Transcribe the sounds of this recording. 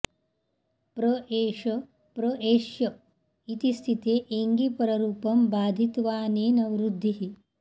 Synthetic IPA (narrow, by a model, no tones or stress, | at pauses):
pɾoeːʃɐ | pɾoʔeːʃjɐ | it̪ist̪ʰit̪eːʔeŋɡipɐɾɐɾuːpɐmbaːd̪ʱit̪ʋaːneːnɐwɾud̪ʱːiɦi